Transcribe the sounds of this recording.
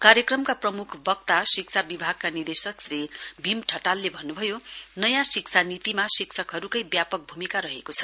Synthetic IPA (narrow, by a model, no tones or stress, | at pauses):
kaɾjʌkrʌmkaprʌmukʰbʌk̚t̪asikt͡sʰabibʱaɡ̚kanird̪esʌksribʱimʈʰʌʈalːebʱʌnːubʱʌjonʌjãsik̚t͡sʰanit̪imasiksʰʌkɦʌɾukʌjbjapʌk̚bʱumikaɾʌɦekot͡sʰʌ̥